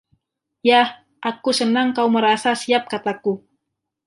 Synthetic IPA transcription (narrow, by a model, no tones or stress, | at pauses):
jah | ʔakusənaŋkauməɾasasiap̚kat̪aku